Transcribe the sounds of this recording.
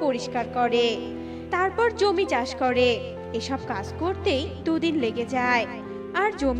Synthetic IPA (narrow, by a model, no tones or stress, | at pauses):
poɾiʃkaɾkɔɾe | t̪aɾpɔɾd͡ʑomit͡ɕaʃkɔɾe | eʃɔb̚kad͡ʑkoɾt̪ejd̪ud̪inleɡed͡ʑae | aɾd͡ʑom